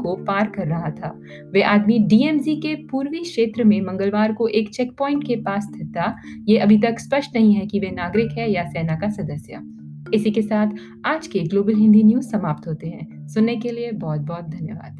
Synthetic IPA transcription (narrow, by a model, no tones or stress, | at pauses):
kopaːɾkɐɾːɐɦat̪ʰaː | ʋeʔaːd̪miɖiːɛːmsikepuːɾʋikʃeːt̪ɾəmẽmɐ̃ŋɡəlʋaːɾkoʔeːkt͡ʃɛːkpɔːɪ̃ɳʈkepaːst̪ʰɐt̪ajeɐbʱit̪̬ɐkspɐʃʈnɐɦĩɦɛkiʋenaːɡɾɪkɦɛjasɛːnakasɐd̪əsja̰ | ɪsikesaːt̪ʰ | aːd͡ʒkeɡloːbəlɦɪ̃nd̪injuːzsɐmaːp̚t̪ɦoːt̪eɦɛ̃ː | sʊnːekeliebɔːt̪̚bɔːt̪̚d̪ʱɐnjəʋa̰ːd̪̥